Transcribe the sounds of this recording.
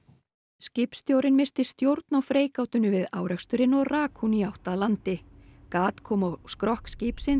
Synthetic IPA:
scɪpst̪jowɾɪnmɪst̪ɪst̪jowɾt̪nawfɾeːjkawt̪ʏnʏvɪða̰ːwɾɛkst̪ʏɾɪnɔɣraːkhuniawht̪alant̪ɪkaːt̪kʰɔːmɔɣskɾɔhkscɪːpsɪn

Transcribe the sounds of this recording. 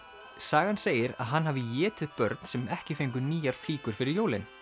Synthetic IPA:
saːɣanseːjɪɾa̰ðɦanːɦavɪjɛːt̪ɪðpœɾt̪n̥sɛmɛhcɪfejŋk̬ʏniːjaɾ̥fliːkʏɾ̥fɪɾɪɾjoːwlɪn

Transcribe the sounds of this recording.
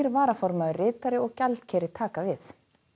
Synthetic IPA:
ɾvaːɾafɔɾmaðʏrɪːt̪aɾɪɔɣcalt̪cʰɛːɾɪt̪ʰaːkavɪθ

